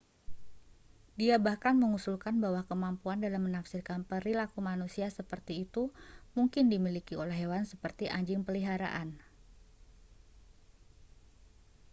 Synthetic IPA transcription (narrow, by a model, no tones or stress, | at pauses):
diabahkanməŋusulkanbawahkəmampuandalamːənafsɪrkanpəɾilakumanusiasəpərt̪iːt̪umuŋkɪndimilikiolɛɦewansəpərt̪iʔa̰ɲd͡ʒɪŋpəliɦaɾa̰ʔan